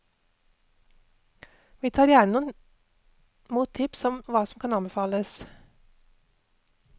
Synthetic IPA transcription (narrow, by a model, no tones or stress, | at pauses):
ʋiːt̪ʰɑːɾjæːɳənuː | muːt̪ʰɪpsɔmʋɑːsɔmkʰɑnɑnbəfɑːləs